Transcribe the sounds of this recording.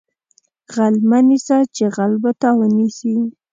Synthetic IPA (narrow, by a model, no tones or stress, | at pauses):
ɣalmanisat͡ʃeɣalbot̪awənisi